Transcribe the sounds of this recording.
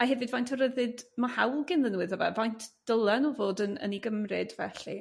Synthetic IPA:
aɦɛvɨdvajntʰɔɾəðɨdmahawlˠɡɪnðənwɨðɔvɛ̰vajntʰd̥əlˠɛnɔvoːdənə̰niɡəmrɨdvɛɬi

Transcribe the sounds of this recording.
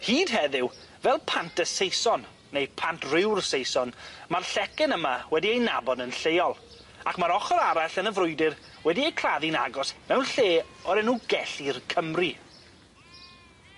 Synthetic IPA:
hiːd̥ɦɛðɪw | vɛlˠpʰantʰəsejsɔnː | ejpʰantʰrɪwrsejsɔnmarɬɛkɛnəmawɛdiejna̰bɔdənɬeːɔlˠ | akmaɾɔχɔɾaɾaɬənəvɾʊɨdɪr | wɛdiejkʰraðina̰ɡɔsmɛwnɬeːɔɾɛnuɡɛɬirkʰəmri

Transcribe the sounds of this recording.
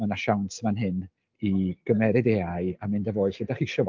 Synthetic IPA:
manaʃawntʰmanɦɨn | iɡ̥əmɛɾɪdeaɨamɪndavoːɨθɡ̥ədaχiʃɔw

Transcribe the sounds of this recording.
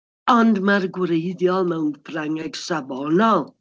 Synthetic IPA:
ɔndmarɡwɾejðjɔlˠmɛwnpʰraŋɛɡ̥sabɔnɔlˠ

